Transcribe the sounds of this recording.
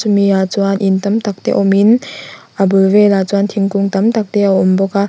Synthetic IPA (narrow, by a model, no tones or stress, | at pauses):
sumiat͡suanʔint̪amt̪ak̚t̪ɛ̰ʔɔminʔabɯlvelat͡suant̪ʰiŋkuŋt̪ɐmt̪ak̚t̪ɛaɔmbɔka